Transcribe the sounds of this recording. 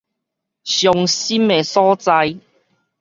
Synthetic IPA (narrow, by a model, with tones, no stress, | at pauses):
sjɔ˨˧ŋsi˥me˨˩sɔː˦˥t͡sa˧j